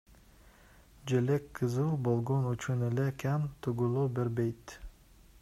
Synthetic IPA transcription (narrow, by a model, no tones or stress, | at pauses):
d͡ʒelekʰːɨzuːbolˠɡonyt͡ʃʰynelekʲʰæmt̪ʰʊɡulˠubeɾbejt̪